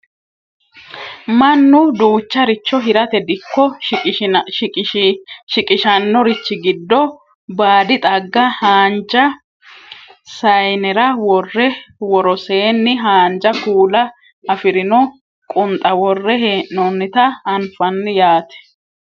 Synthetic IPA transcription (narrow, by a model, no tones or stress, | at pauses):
mɐnːʊd̪uːt͡ʃːɐɾɪt͡ʃːɔɦɪɾɐt̪ɛd̪ɪkːɔ | ʃɪkʼɪʃɐnːɔɾɪt͡ʃːɪɡɪd̪ːɔ | baːd̪ɪt̪ʼɐɡːɐhaːnd͡ʒɐ | sɐjnɛɾɐwɔrːɛwɔɾɔseːnːɪɦaːnd͡ʒɐkuːlɐ | ɐfɪɾɪnɔ | kʼʊnt̪ʼɐwɔrːɛheʔnɔnːɪt̪ɐɐnfɐnːɪjaːt̪ɛ̥